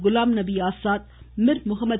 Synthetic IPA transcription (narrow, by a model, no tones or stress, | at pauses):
ɣʊlaːmnɐbiaːsaːt̪̚ | mɪɾmʊɦəmːə